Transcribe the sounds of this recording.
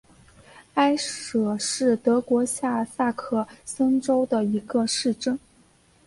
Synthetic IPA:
a˥ɪʂɤ˨˩ʂɻ̩˥˩t̪ɤ˧˥kwɔ˧˥ɕja˥˩sa˥˧kʰɤ˥˩sɤ˥ŋʈ͡ʂo˥ʊd̪ə˨i˧˥ɡə˧ʂɻ̩˥˩ʈ͡ʂɤ˥˩ŋ

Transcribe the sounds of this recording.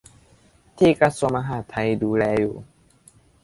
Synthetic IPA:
t̪ʰiː˧˩˨ka˧˥su˧mʔa˧ɦaː˧˩t̪ʰa˧jduː˧lɛː˧jṵː˨˩

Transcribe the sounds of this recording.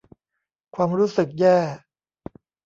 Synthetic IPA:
kʰwaː˧mɾuː˦˥sɯ˨˩k̚jɛː˥˩

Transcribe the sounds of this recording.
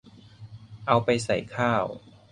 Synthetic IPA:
ʔa˧wpa˧jsa̰˨˩jkʰaː˥˩w

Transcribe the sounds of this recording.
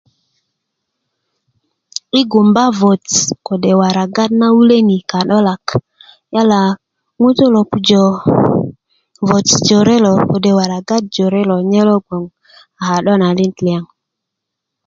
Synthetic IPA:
i˦ɡu˨mba˦vo˨tko˨ɗe˨wa˨ɾa˨ɡa˦dna˦wu˦le˦ni˨ka˨ɗo˦la˨k | ja˦la˨ | ŋu˦to˦lo˨pu˨d͡ʒo˨ | vo˨td͡ʒo˨ɾe˦lo˨ko˨de˨wa˨ɾa˨ɡa˦t̚d͡ʒo˨ɾe˦lo˨ɲe˦lo˦ɡo˨ŋ | a˨ha˨ɗo˦na˨li˦ntli˨a˨ŋ

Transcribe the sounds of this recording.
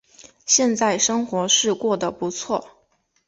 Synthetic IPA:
ɕjɛ˥˧nt͡sa˥˩ɪʂɤ˥ŋxwɔ˧˥ʂɻ̩˥˧kwɔ˥˩d̪ə˩pu˧˥t͡sʰwɔ˥˩

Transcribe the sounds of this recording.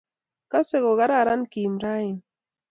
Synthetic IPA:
ka˦se˦˨ɣo˨ɣa˦ɾa˦˨ɾa˦nki˨mɾa˦i˨n

